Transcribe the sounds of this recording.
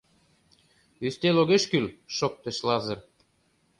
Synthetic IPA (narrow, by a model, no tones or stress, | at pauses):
yst̪eloɣeʃkylʃok̚t̪ĕʃlɑzɤ̆r